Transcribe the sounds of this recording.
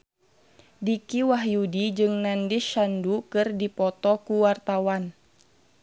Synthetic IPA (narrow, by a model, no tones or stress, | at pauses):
dikiwaɦjudid͡ʒɨŋnandiʃandukɨrdipɔt̪ɔkuwart̪awan